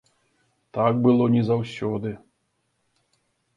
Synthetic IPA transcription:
t̪ak̚bɨlˠɔnʲizawsʲɔd̪ɨ

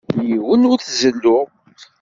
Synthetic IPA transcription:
jjiwənuɾθzəlːu

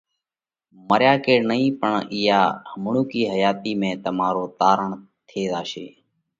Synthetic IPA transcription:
məɾjaːkeːɽnəĩːpəɳɪːjaːhəmɳũːkiːɦəjaːt̪iːmẽːt̪əmaːɾoːt̪aːɾəɳ | t̪ʰeːd̪aːʃeː

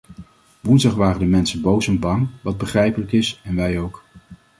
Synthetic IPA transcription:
ʋunzdɑχʋaːrəndəmɛnsənbowsɛnbɑŋʋɑd̚bəχrɛjpələkɪsɛnʋɛjowk

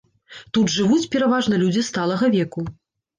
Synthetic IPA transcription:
t̪ud̪ʐɨvut͡sʲpʲɛɾavaʐnɐlʲud͡zʲist̪alˠɐɣɐvʲɛku

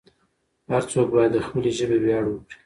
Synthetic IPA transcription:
haɾt͡sokbɑjad̪ːəxpəleʒəbebjɑɽwəkɽi̥

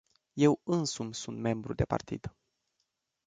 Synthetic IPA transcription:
je̞wɨnsumsunt̪me̞mbɾud̪e̞pa̰rt̪ḭd̪̥

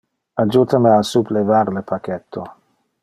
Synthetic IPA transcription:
ad͡ʒut̪ʰameasuplevaɾləpʰakɛt̪ʰːo

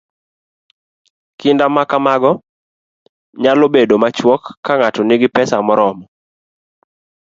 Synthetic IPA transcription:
kɪndamakamaɡɔ | ɲalobedomat͡ʃwɔkːaŋatɔnɪɡɪpɛsamɔɾɔmɔ

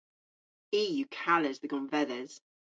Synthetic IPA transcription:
iːjʉkʰaləzðəɡɔ̃nvɛðəz̥

